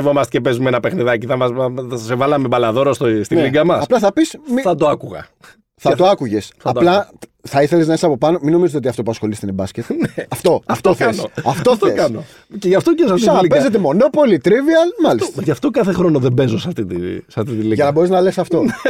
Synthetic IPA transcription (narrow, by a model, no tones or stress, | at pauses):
evo̞mɐst̪e̥cepezumenɐpe̞xniðɐciθɐmɐsevɐlɐmebɐlɐðo̞ɾost̪ist̪inliɡɐmɐsɐplɐθɐpismiθɐt̪oɐkuɣɐ̰ | θɐt̪o̞ɐkuʝe̞sθɐt̪lɐ | θɐiθe̞leznɐesɐpo̞pɐno̞mino̞mizot̪eot̪iɐft̪opuɐsxo̞list̪enebɐsce̞t̪neɐft̪o̞ɐft̪oθesoɐftt̪oθt̪oekɐno | ceʝɐft̪ocesɐfisɐpezet̪emo̞no̞polit̪ɾiviɐlmɐlist̪ʝɐft̪o̞kɐθexɾo̞noðebe̞zosɐft̪it̪isɐft̪it̪iliʝɐnɐbo̞ɾiznɐle̞sɐft̪o̞